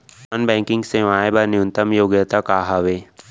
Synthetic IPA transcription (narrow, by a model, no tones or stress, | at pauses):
ɐnbɛ̃ːŋkɪ̃ŋɡseʋaːebanɪjũnt̪əmjoːɡjət̪akaːɦaʋeː